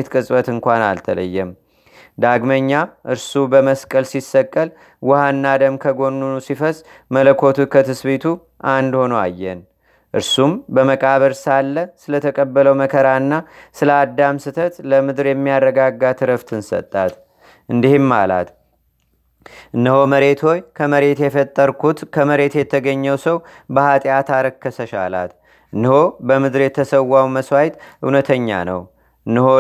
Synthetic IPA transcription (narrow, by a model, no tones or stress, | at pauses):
t̪kʼɨsʼbət̪ɨŋkʷana̰lt̪ʰələ̰jːɛm | d̪aɡməɲːaʔɨɾsubəməskʼəlsisːəkʼːəl | wʊhanːad̪əmkʰəɡo̞nːunusifəsʼ | mələkʰːo̞t̪ʰukʰət̪ʰɨsβet̪ʰu | ʔand̪ho̞noa̰jːɛn | ʔɨɾsumbəməkʼaβəɾsalːəsɨlət̪ʰəkʼəbːələwməkʰəɾanːasɨləad̪ːamsɨt̪ʰət̪ləmɨd̪ɨɾjɛmːijarːəɡaɡːat̪ʰɨɾəft̪ʰɨnsə̰t̪ʼːat̪ | ʔɨnd̪ihɪmːa̰la̰t̪ | ʔɨnːɨho̞məɾe̞t̪ʰho̞jkʰəməɾe̞t̪jɛfət̪ʼːəɾkʰut̪kʰəməɾe̞t̪jɛt̪ʰːəɡəɲːəwsəwbəhat̪ʼijat̪ʰaɾəkʰːəsəʃa̰la̰t̪ | ɨnːɨho̞bəmɨd̪ɨɾjɛt̪ʰːəsəwːawməswajt̪ʔɨ̰wnət̪ʰəɲːa̰nə̰w | ɨnːɨho